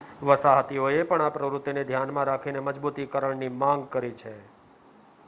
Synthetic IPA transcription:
ʋəsaɦt̪ioepəɳapɾəʋɾʊt̪ːined̪ʱjanmãɾakʰineməd͡ʒbut̪ikəɾəɳnimãŋɡ̚kəɾit͡ʃʰe

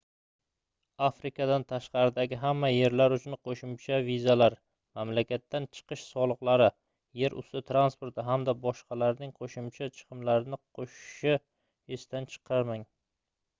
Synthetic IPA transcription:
afɾɪkʰad̪ant̪ʰaʃqɑɾɪd̪aɡʲɪɦamːaje̞ɾlaɾʊt͡ʃʰʊnqʰoʃɪmt͡ʃʰavizalaɾ | mamlakʲat̪ːant͡ʃʰɨ̥qʰɨʃsɒlˠɨqlˠaɾɪ | je̞ɾʔʊ̰st̪ɪt̪ʰɾanspoɾt̪ɪɦamd̪abɒʃqɑlaɾnɪŋqʰoʃʊmt͡ʃʰat͡ʃʰɨ̥qʰɨmlaɾɪnɪqʰoʃʃɪ | est̪ant͡ʃʰɨ̥qʰɑɾmaŋ

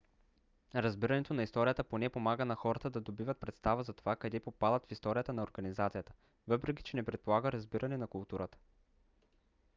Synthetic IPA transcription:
ɾɐzbiɾɐnɛt̪onɐist̪ɔɾijət̪əponɛpomaɡənɐxɔɾət̪əd̪ɐd̪obivət̪̚pɾɛt̪st̪avəzɐt̪ovakɐd̪ɛpopad̪ət̪fist̪ɔɾijət̪ənɐoɾɡɐnizat̪sijət̪ə̥ | vɤpɾɛki̥t͡ʃɛnɛpɾɛt̪̚polˠaɡəɾɐzbiɾʔɐnɛnɐkʊlˠt̪uɾət̪ə̥

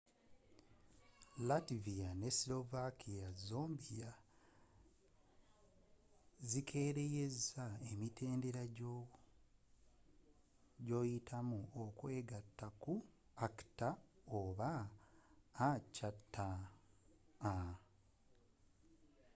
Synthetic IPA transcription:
lativijanesilo̞vakʰijazoːmbija | zikʰe̞ːɾe̞je̞zae̞mitʰe̞ːnde̞ɾaɟo | ɟo̞ːjitʰamuokwe̞ːɡatːaku | aktaoβaː | cːatːa

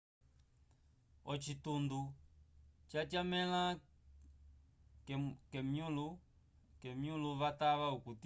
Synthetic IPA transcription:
ɔt͡ʃitundu | t͡ʃatjamɛla | kɛmjulu | kɛmjuluβataβaukut

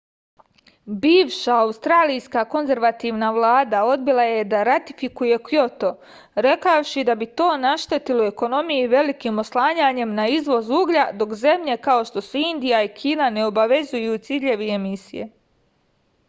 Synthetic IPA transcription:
biːʋʃaːust̪ɾaːlijskako̞nze̞ɾʋat̪iːʋnaʋlˠaːd̪ao̞d̪̚bilˠaje̞d̪aɾat̪i̥fikuje̞kjo̞t̪o̞ | ɾe̞kaʃid̪abit̪o̞ːnaʃt̪et̪ilueko̞no̞mijiʋe̞likiːmo̞slˠaːɲaːɲe̞mnaizʋo̞zuːɡʎad̪o̞kze̞mʎe̞kao̞ʃt̪o̞suind̪ijaikʰiːnane̞o̞baʋe̞zujut̪siːʎe̞ʋiemisḭje̞̰

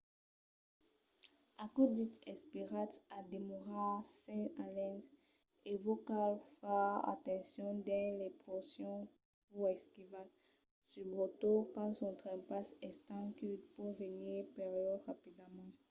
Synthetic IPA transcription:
akod̪it̪ɛspiʁat̪ad̪emoʁasɛ̃alɛ̃d | evokalfɛa̰t̪ɑ̃sjɔ̃d̪ɛ̃lɛpɔsjɔ̃ | uɛskivat | sybʁot̪ukɑ̃sɔ̃t̪χɛ̃pasɛst̪ɑ̃kyt̪puʁvəniʁpɛʁijɔʁapid̪amɑ̃

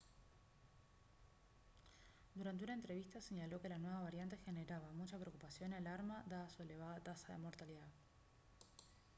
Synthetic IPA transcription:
d̪uɾant̪e̞unaent̪ɾe̞β̞ist̪ase̞ɲalo̞ke̞lanwe̞βaβ̞aɾjant̪e̞xene̞ɾaβamut͡ʃapɾeokupasjo̞nialaɾmaðaːsue̞le̞β̞aðat̪asaðe̞̰mo̞ɾt̪aliðað

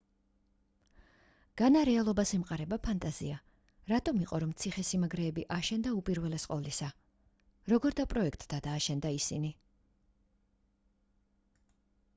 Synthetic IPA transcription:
ɡ̥anaɾɛalˠɔbasɛmqʼaɾɛbapʰant̪ʼaz̥ia | ɾat̪ʼɔmiqʼɔɾɔmt̪sʰiχɛsimaɡɾɛːbiʔaʃɛnd̪aupʼiɾvɛlɛsqʼɔvlisa | ɾɔɡɔɾd̪apʼɾɔɛkʰt̪ʼd̪ad̪aːʃɛnd̪aisini

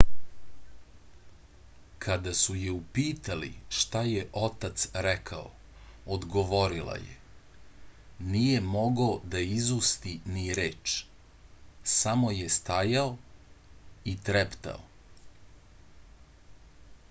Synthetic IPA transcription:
kʰad̪asujeupiːt̪alḭʃt̪ajeʔo̞t̪at̪sɾɛkʰao̰ | od̪ɡo̞ʋo̞ɾila̰jḛ | nije̞mo̞ɡod̪aizust̪iniɾeːt͡ʃ | samo̞jest̪ajao | it̪ɾept̪a̰o

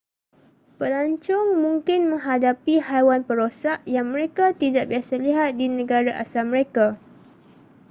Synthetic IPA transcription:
pəlaɲt͡ʃɔŋmũŋkɪnmə̃ŋɦadapihajwanpəɾosaʔjaŋmə̃ɾekat̪idaʔbiasaliɦat̪̚dinə̃ɡaɾaʔa̰samə̃ɾeka

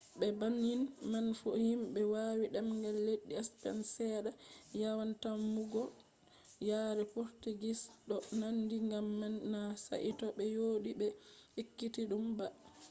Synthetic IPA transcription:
ɓɛbanːinmanfohimɓɛwaːwiɗɛmŋɡɛlːeɗːiɛspɛ̰nsɛːɗajawantamːuɡɔ | jaɾɛpoɾtuɡisɗɔnandiŋɡamːɛnːasa̰ʔitɔɓɛjoːɗiɓɛhikːitiɗumba

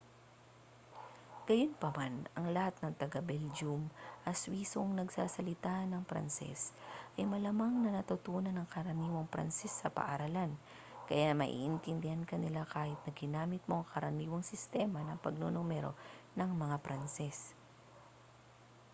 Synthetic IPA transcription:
ɡ̥ɐjonpɐmanɐŋlɐhat̪̚nɐŋt̪ɐɡabɛld͡ʒumʔɐswiːsoŋnɐɡsaːsɐlɪt̪anɐŋpɾɐ̰nsɛ̰sʔɐjmɐlɐmaŋnɐnɐt̪ʊt̪uːnɐnɐŋkɐɾɐniːwoŋpɾɐ̰nsɛsːɐpɐ̰ʔɐɾalan | kɐjamɐ̰ʔḭːʔɪnt̪ɪnd̪ɪhankɐnɪlakaːhɪt̪̚nɐɡɪnaːmɪt̪̚moʔŋkɐɾɐniːwoŋsɪst̪ɛmɐnɐŋpɐɡ̚nonomɛɾo̞̰nɐŋmɐŋapɾansɛs

